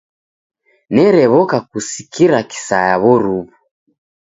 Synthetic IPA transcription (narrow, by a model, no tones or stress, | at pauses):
nɛɾɛβɔkakusikʰiɾaki̥sajaβɔɾuβu